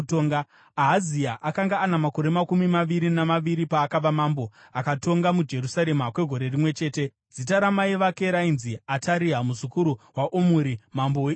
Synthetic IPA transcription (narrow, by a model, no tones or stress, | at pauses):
toːŋɡa | aɦaziaʔakaŋɡaːnamako̞ɾe̞makumimaʋiɾinamaʋiɾipaːkaʋamambo̞akato̞ŋɡamud͡ʒe̞rusaɾe̞makwe̞ɡʱo̞ɾe̞rimwe̞t͡ʃe̞ːte̞ | d͡zitaɾamaiʋake̞ɾainziataɾiɦamuzukuɾuwaʔomuɾimambow